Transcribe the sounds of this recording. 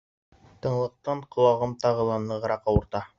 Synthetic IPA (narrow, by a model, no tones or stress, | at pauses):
t̪ɤ̆ɴlˠɤ̆q̚t̪ɑɴqŏlˠɑʁɤmt̪ɑʁɤ̆lˠɑnlˠɤʁɤ̆ɾɑqɑwɤ̆ɾt̪ɑ